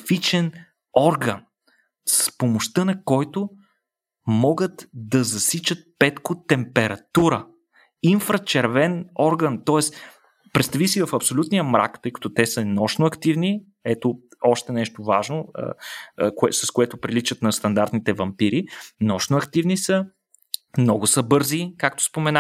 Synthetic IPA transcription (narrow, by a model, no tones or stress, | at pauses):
fit͡ʃɛn | ɔɾɡən | sspomoʃt̪ənɐkɔjt̪o | mɔɡət̪d̪ɐzɐsit͡ʃət̪̚pɛt̪kot̪ɛmpɛɾɐt̪uɾə | iɱfɾɐt͡ʃɛɾvɛnɔɾɡənt̪ɔɛs | pɾɛt̪st̪ɐvisivɐfɐpsolʲut̪nijəmɾʔa̰kt̪ɤjkɐ̥t̪ot̪ɛsənɔʃnoɐkt̪ivni | ɛt̪oɔʃt̪ɛnɛʃt̪ovaʒnoə̰kɛsɐskoɛt̪ʊpɾilit͡ʃət̪nɐst̪ɐnd̪aɾt̪nit̪ɛvɐmpiɾinɔʃnʊɐkt̪ivnisə | mnɔɡʊsəbɤɾzikak̚t̪o̥spomɛna